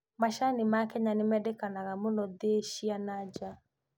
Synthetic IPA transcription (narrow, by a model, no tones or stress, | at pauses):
maʃanimakɛɲanɪmɛdɛkanaɣamonɔðeːʃianad͡ʒa